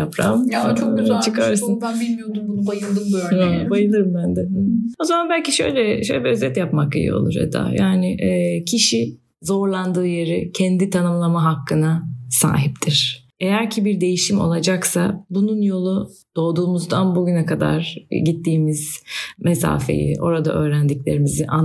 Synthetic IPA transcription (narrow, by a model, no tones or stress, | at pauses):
japɾa̰t͡ʃʰokt͡ʃʰɯkʰaɾsɯnanbilʲmijo̞d̪umbunbajɯlˠd̪ɯmbajɯlˠɯɯmbænd̪ɛo̞zamanbælʲcʰiʃø̞jlʲɛʃøjlʲɛbiøzɛt̪japmakḭjḭo̞̰lˠṵɾɛ̰d̪a̰jaːnɪʔcʰiʃi | zo̞ɾlˠand̪ɯːjeɾicʰɛnd̪it̪ʰanɯmlˠamaɦakːɯnasa̰ːɦip̚t̪ʰiɾ̥ | ejæɾcʰibiɾd̪e̞jiʃimo̞̰lˠad͡ʒaksabununjo̞lˠud̪̥o̞ːd̪uːmuzd̪anbuɟynɛkʰad̪a̰ɾ̥ɟit̪ʰːiːmiz̥mesa̰ːfe̞̰jḭʔo̞ɾad̪a̰ʔø̞ːɾænd̪iclʲe̞ɾimiziʔa